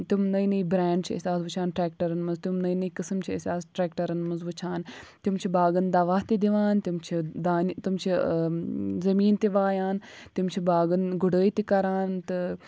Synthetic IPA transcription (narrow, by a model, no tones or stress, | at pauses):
t̪imnɐinɐibɾaːɳɖ̚t͡ʃʰiɐ̰sʲaːsʋut͡ʃʰaːnʈɾɛːkʈɐɾɐnmɐnzt̪umnɐinɐikɐsɐmt͡ʃʰiɐsʲaːsʈɾɛːkʈɐɾɐnmɐnzʋut͡ʃʰaːnt̪imt͡ʃʰibaːɡənd̪aʋaːt̪ed̪iʋaːnt̪imt͡ʃʰid̪aːnt̪umt͡ʃʰi | zɐmiːnt̪eʋaːjaːnt̪imt͡ʃʰibaːɡɐnɡuɽəːit̪ikɐɾaːnt̪ɨ